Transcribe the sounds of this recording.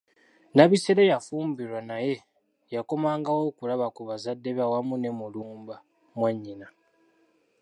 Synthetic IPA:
naβiseɾejafuːmbiɾwanaje̞ | jako̞maːŋɡawo̞ːkulaβakuβazadːe̞βawamune̞muluːmba | mwaɲːina

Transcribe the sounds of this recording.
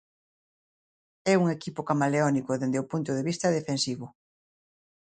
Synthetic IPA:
ɛuŋekipʊkamaleɔnikʊðend̪eopunt̪ʊðeβist̪ɐðefensiβʊ

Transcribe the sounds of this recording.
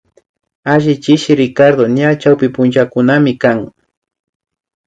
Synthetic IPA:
aʒɪt͡ʃɪʃɪɾɪkaɾd̪oɲat͡ʃawpɪpʊnt͡ʃakʊnamɪkaŋ

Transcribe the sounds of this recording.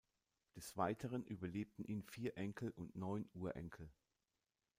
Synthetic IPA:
d̥ɛsv̥aɪtʰəʁənʔyːbɐleːp̚tn̩ʔiːnfiːɐʔɛŋkʰl̩ʔʊntnɔʏnʔuːɐʔɛ̰ŋkʰl̩

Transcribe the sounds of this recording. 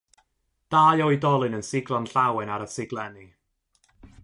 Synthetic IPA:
d̥aːjɔjdɔlˠɨnənsɪɡlˠɔnɬawɛnaɾəsɪɡlˠɛni

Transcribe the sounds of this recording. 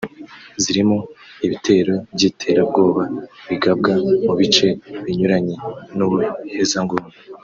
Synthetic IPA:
ziɾimoiβitʰe̞ːɾo̞bɟiːtʰe̞ɾabɡo̞ːβaβiɡab̚ɡamuβit͡ʃe̞βiɲuɾaɲenuβuhe̞zaŋɡume

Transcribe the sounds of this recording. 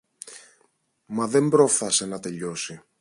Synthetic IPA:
mɐðe̞mbɾo̞fθɐsenɐt̪e̞ʎo̞si

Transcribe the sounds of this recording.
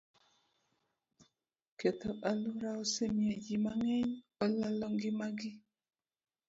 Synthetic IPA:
kɛt̪ɔaluɾaɔsemjed͡ʒimaŋɛɲ | ɔlalɔŋɡɪmaɡɪ

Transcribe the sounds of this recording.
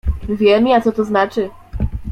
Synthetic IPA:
vʲjɛmʲiat̪sɔt̪ɔznat͡ʂɘ

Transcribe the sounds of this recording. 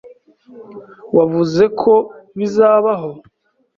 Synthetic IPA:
wavuze̞kʰo̞βizaːβaɦo̞

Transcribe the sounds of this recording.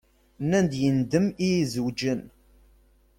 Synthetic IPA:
nænd̪jənd̪əmizud͡ʒən

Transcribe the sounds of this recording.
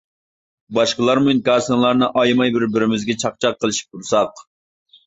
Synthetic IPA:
bɑʃqəlˠɑɾmnkɑːsɨŋlˠɑɾnɨʔɑjmɑjbɪɾbɪɾɪmɪzɡʲɛt͡ʃʰɑq̚t͡ʃʰɑqʰːəlˠɨʃi̥p̚t̪ʰuɾsɑq

